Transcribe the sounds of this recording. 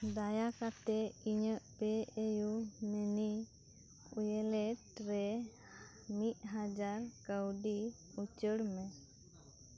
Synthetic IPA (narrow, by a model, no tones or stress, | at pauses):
d̪ajakat̪ɛiɲəʔpɛejumɛni | ujɛlɛʈɾɛ | mit̪̚ˀɦad͡ʒaɾkəwɖi | ut͡ʃəɽmɛ